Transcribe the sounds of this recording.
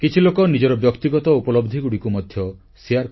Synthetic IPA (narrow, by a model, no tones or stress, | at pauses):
kit͡ʃʰilokɔnid͡ʒɔɾɔbjɔkt̪iɡɔt̪ɔupɔlɔbd̪ʱiɡuɽikumɔd̪ʱjɔ | siaɾ